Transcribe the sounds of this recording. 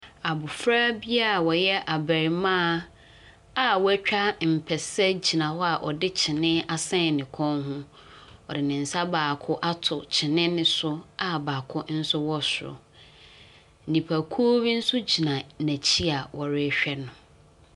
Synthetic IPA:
a˨bʊ˨fɾaː˦bi˦a˦˨wɔ˨jɛ˦ʔa˨bæ˨ɾi˨mã˦ | a˨wɔ˦æ˦t͡ɕᶣa˦m̩˨pʰɛ˨sɛ˦d͡ʑi˨nã˨wɔ˦a˨ʔɔ˨dɪ˦t͡ɕʰɪ˨nɪ̃˦a˨sɛ̃˦˨nɪ̃˨kʰɔ̃˦nɦʊ̃˦ | ɔ˨dɪ˨nɪ̃˨n̩˨sa˦baː˨kʰʊ˦ʔa˦tʰʊ˨t͡ɕʰɪ˨nɪ̃˦nɪ̃˦sʊ˦a˨baː˨kʰʊ˦n̩˦sʊ˦wɔ˦sʊ˨ɾʊ̰˨ | n̩˨nĩ˨pʰæ˨kʰu˦o˦bi˦n̩˦sʊ˦d͡ʑi˨nã˨næ˨t͡ɕʰi˦a˨wɔ˨ɾɪ˦˨ɕᶣɛ˦nʊ̃˨

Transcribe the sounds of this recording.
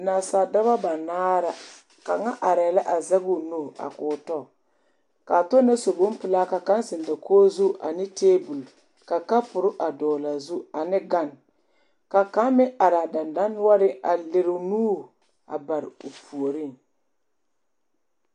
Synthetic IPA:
na˨sa˨da˦βa˦ba˨naː˦ɾa˦ | ka˨ŋa˦ʔa˨ɾɛː˨la˦ʔa˨za˦ɡu˦˨noː˦˨a̰˨kʊː˨tɔ˦˨ | ka˨tʊ˦na˦so˨bo˦m˦pɪ˦la˦ka˨ka˦nsɪ˨n˨da˨kʰoː˦zu˦ʔa̰˨nɪ˦teː˦bu˨l | ka˨ka˦pʊ˨ɾʊ˦ʔa˨dɔː˨la˨zu˦a˨nɪ˦ɡa˦˨n | ka˨ka˦mmɪ˦a˨ɾa˨da˨nda˦n˦wa˦ɾɪ˦a˨le˨ɾu˨nuː˦˨ | a̰˨ba˨ɾɪ̰˨u˨pu˨o˨ɾi˦˨

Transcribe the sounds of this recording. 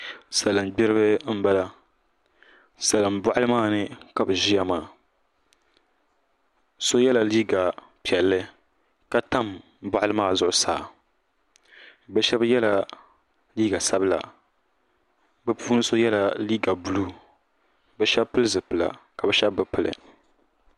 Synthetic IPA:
sa˨lɨ˨mɡ͡bɪ˦ɾɨ˦bɨ˦m̩˦ba˦la˦ | sa˨lɨ˨mba˦ʔa˦lɨ˦maː˦˨nɨ˦ka˨bɨ˨ʒi˦ja˦maː˦˨ | so˦jɛ˦la˨liː˦ɡa˨ | pi˨ɛ˨lːɨ˦ | ka˦ta˦m | bɔ˦ʔa˦lɨ˦maː˦˨zʊ˨ʔʊ˨sa̰ː˨ | bɛ˦ʃɛ˦bjɛ˦la˨ | liː˦ɡa˨sa˦bɨ˦la̰˨ | bɨ˦pʰuː˦nɨ˦so˦jɛ˦la˨liː˦ɡa˨bu˦lu˦ | bɛ˦ʃɛ˦bpɨ˦lɨ˦zɨ˨pɨ˨la̰˨ka˨bɛ˨ʃɛ˦bbɨ˨pɨ˨lɨ̰˨

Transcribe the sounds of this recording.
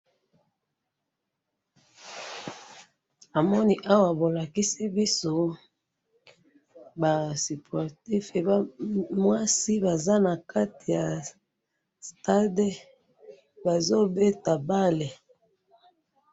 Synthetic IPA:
a˨mɔ˦ni˦ʔa˦wa˨bo˨la˨ki˦si˦bi˦so˦ | ba˨si˨pʰɔ˨ʁti˦fe˨ba˦mwa˦si˦ba˨za˦na˨ka˦ti˨ja˨ | sta˦de˦ | ba˨zo˦be˦ta˨ba˦le˨

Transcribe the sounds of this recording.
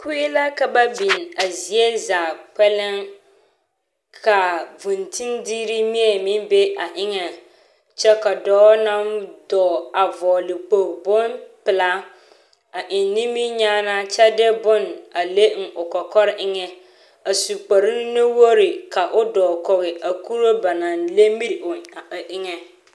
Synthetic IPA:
kʰu˦i˦la˦ka˨ba˦bi˨n˨a˨zi˨e˦zaː˨k͡pɛ˦lɪ˦ŋ | kʰa˨vʊ˨ntʰi˦ndiː˦ɾi˦mi˦ɛ˨mi˦nbe˦a˨ʔɪ˦ŋɛ˨ | t͡ʃɛ˦ka˨dɔː˦na˦mdɔː˨a˨vɔː˨lɪ˨k͡po˨bʊ˦npɪ˨la˦ | a˨ʔɪ˨nː˦i˦mi˦ɲaː˦na˦t͡ʃɛ˦dɛ˦bʊ˦na˨le˦ŋ̩˨ʊ˨kɔ˨kɔ˦ɾɪ˦ʔɪ˦ŋɛ˨ | a˨su˨k͡pa˨ɾi˦na˦wo˦ɾi˨ka˨ʔʊ˦dɔː˨kɔ˨ɣɪ˨ʔa˨ku˦ɾo˦ba˨na˨nle˦mi˦˨ʊ˨ʔɪ˦ŋɛ˨

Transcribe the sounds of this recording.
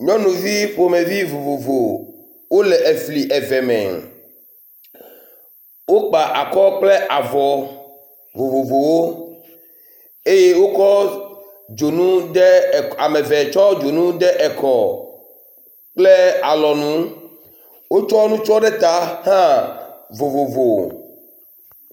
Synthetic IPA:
ɲɔ̃˦nũ˨vi˦ɸo˨me˨vi˦vo˨vo˨vo˨ | wo˦lɛ˨ʔe˨fli˨ʔɛ˨vɛ˨mɛ̰̃˨ | wo˦k͡pa˨ʔa˨kɔ˦k͡plɛ˦ʔa˨vɔ˨ | vo˨vo˨vo˨wo˦ | e˦je˦wo˦kɔ˦ | d͡ʒo˨nũ˦ɖɛ˦˨a˨mɛ̃˨vɛ˨t͡ʃɔ˦d͡ʒo˨nũ˦ɖ̪ɛ˦ʔɛ˨kɔ˨ | k͡ple˦a˨lɔ˨nũ˦ | wo˦t͡ʃɔ˦nũ˦t͡ʃɔ˦ɖɛ˦t̪a˦hã˦vo˨vo˨vo˨

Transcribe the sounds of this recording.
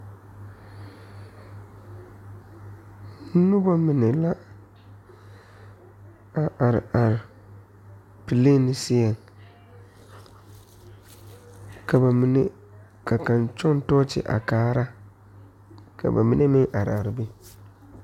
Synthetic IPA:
n̩˦nʊ˦bɔ˦mɪ˨nɛ˨la˦ | a˨ʔa˨ɾɪ̰˨a˨ɾɪ˨ | pi˨le˦nɪ˨sɪ˦ɛ˨ŋ | ka˨ba˨mɪ˨ne˦ | ka˨ka˨nt͡ʃɔ˦n˦tɔː˦t͡ʃɪ̰˦ʔa̰˨kaː˦ɾa˦ | kʰa̰˨ba̰˨mɪ˦nʔe˦mɪ˦ŋʔa˨ɾɪ̰˨a˨ɾɪ˨bɪ˦

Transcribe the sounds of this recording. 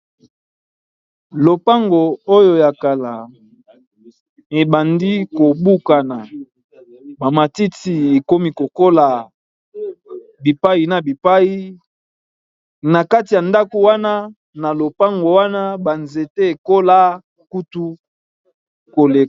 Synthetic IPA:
lo˨pa˦ŋɡo˨o˦jo˨ja˨ka˨la˨ | e˨ba˨ndi˦ko˨bu˦ka˨na˨ | ba˨ma˨ti˦ti˨e˨ko˦mi˦ko˨ko˦la˨ | bi˨pa˦i˦na˨bi˨pa˦i˦ | na˨ka˦ti˨ja˨nda˦ko˨wa˦na˦ | na˨lo˨pa˦ŋɡo˨wa˦na˦ba˨nze˨te˦e˨ko˦la˦ | ku˦tu˦ | ko˨le˨

